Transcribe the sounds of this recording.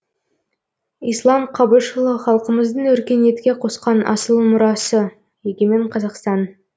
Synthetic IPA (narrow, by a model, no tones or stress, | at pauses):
ijslˠɑmqʰɑbəʃəlˠəχɑlˠqəməzd̪əɴwɵɾkʲe̞nje̞t̪kʲe̞qʰo̞sqɑnʔɑ̰səlˠmʊɾɑsə | jeɡʲeme̞ɴqʰɑzɑqst̪ɑn